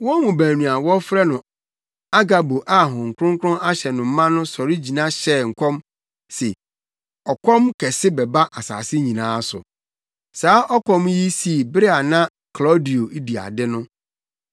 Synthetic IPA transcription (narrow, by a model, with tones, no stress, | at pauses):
wɔ˦mũ˨bæ̃˨nĩ˨a˨wɔ˦fɾɛ˦nʊ̃˨ | a˦ɡa˨bo˨ʔa˦ɦɔ̃˨ŋ̩˨kʰʊ˦ʊ̃˦ŋkʰɾʊ̃˦a˦ɕɛ˨nʊ̃˨m̩˦mã˦nʊ̃˦sɔ˨ɾi˦d͡ʑi˨nã˦ɕɛ˦˨ŋ̩˨kʰʷɔ̃˦m | sɪ˨ | ɔ˨kʰɔ̃˦mkʰɛ˨sɪ˦bɛ˨ba˦ʔa˨sa̰ː˨sɪ˦ɲĩ˨nãː˨˦sʊ̰˨ | saː˨˦ʔɔ˦kʰɔ̃˦m˦ji˦si˦˨bɾɪ˦a˨nã˦ | kʰlɔ˦di˨o˨˦di˨a̰˨dɪ˦nʊ̃˦